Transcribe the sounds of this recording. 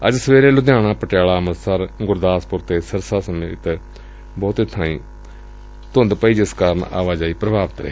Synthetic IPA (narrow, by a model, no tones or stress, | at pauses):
ə̰d͡ʒsəʋeːɾeːlʊd̪jãːɽ̃ãːpəʈjaːɭaːməɾsəɾɡʊɾd̪aːspʊɾt̪eːsəɾsaːsəmet̪ | bɔːt̪ɪt̪ʰːãːĩː | t̪ʊnd̪pəiːd͡ʒɪskaːɾəɳa̰ːʋaːd͡ʒaːiːpɾəbʱaːʋət̪ɾə̰eː